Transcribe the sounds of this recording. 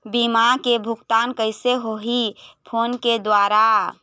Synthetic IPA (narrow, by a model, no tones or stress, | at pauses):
bimakebʱukt̪ankəɪseɦoɦipʰonked̪waɾa